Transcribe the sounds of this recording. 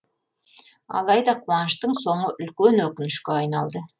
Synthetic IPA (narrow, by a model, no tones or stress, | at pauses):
ɑ̰lˠɑjd̪ɑqʰuɑnəʃt̪əɴso̞ɴəʔʏlkʲenwɵkʲɪnɪʃkʲeɑjnɑlˠd̪ə